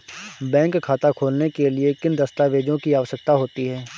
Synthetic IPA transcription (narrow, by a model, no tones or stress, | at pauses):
bɛ̃ːŋkʰːaːt̪akʰoːlnekeliekɪnd̪ɐst̪aʋeːd͡ʒõkiaːʋəʃək̚t̪aɦoːt̪iɦɛː